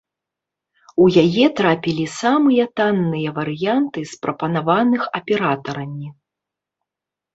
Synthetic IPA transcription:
ujajɛt̪ɾapʲilʲisamɨjɐt̪anːɨjɐvɐɾɨjant̪ɨspɾɐpɐnavanɨxɐpʲɛɾat̪ɐɾɐmʲi

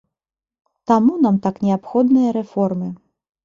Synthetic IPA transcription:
t̪amunamt̪aknʲɛapxɔd̪nɨjɐɾɛfɔrmɨ

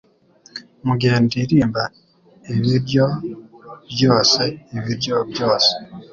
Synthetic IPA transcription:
muɡeːndiɾiːmba | eβiɾjo | βjo̞ːseːβiɾjoβjoːse̥

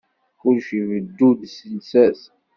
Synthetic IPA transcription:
ʊlʃivəd̪ːud̪sənsæs

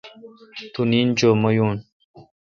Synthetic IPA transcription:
t̪unind͡ʒoməjun

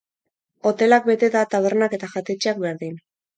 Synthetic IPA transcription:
o̞t̪e̞lak̚be̞t̪e̞ðat̪aβ̞e̞ɾnake̞t̪aʝat̪e̞t͡ʃeak̚be̞ɾðin

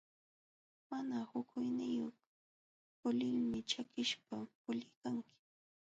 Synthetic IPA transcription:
manahʊkʰʊjnɪjoχ | pʊlɪlmɪt͡ʃakɪʃpapʊʎɪjkaŋkɪ̥

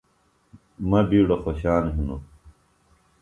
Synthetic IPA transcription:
mɐbiːɽoxoɕaːnɦinu

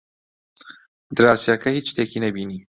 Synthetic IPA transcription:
d̪ɾɑsjɑkahit͡ʃt̪ekinabini

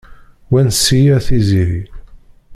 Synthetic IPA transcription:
wænsijæθiziɾi

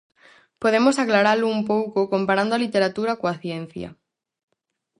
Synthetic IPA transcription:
poðemosaklaɾalʊumpowkokompaɾand̪oalit̪eɾat̪uɾakoaθjen̟θjɐ̰

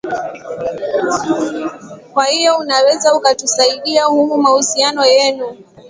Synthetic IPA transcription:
kwahijɔunawɛzaukatusaiɗiahumumahusianɔjɛnu

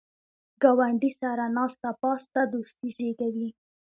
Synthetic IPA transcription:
ɡawaɳɖisaɾanɑst̪apɑst̪ad̪ost̪iʒeɡawi

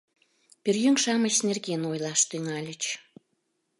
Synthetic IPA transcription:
pyrjyŋʃɑmət͡ɕsnʲerɣenojlɑʃt̪yŋɑlʲət͡ɕ

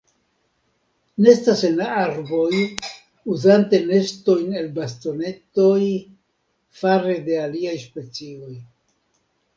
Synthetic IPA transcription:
neestasenaaɾbo̞j | uzante̞ne̞sto̞jne̞lbast̪o̞ne̞t̪o̞j | faɾe̞de̞aliajspe̞t͡sio̞j

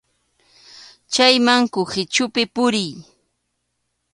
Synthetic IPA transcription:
t͡ʃajmaŋkʊhɪt͡ʃʊpɪpʊɾɪj

